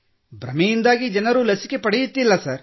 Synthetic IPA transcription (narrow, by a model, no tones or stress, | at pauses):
bɾɐ̰mɛjind̪aːɡid͡ʒɐnɐɾulɐsi̥ke̞pɐɽejut̪ːilːɐsɐɾ